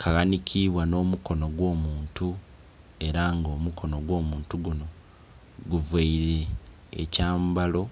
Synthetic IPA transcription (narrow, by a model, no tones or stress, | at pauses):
kʰaɣanikʰiβwano̞ːmuko̞no̞ɡwo̞ːmuːntu | e̞ɾaŋɡo̞ːmukʰo̞no̞ɡwo̞ːmuːntuɡuno̞ | ɡuveiɾe̞̰ː | caːmbalo̞